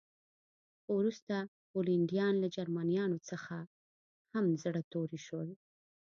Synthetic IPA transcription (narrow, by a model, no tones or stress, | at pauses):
wɾust̪a | boliɳɖijɑnlad͡ʒaɾmanijɑnot͡səxa | hamzɽət̪oɾiʃwəl